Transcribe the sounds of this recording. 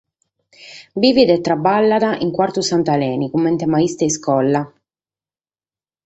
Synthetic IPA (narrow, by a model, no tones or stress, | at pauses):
biːvid̪ɛt̪ːɾabːalːad̪aʔiŋkwaɾt̪usant̪alɛːnikumːɛnt̪ɛmaist̪ɛiskɔlːa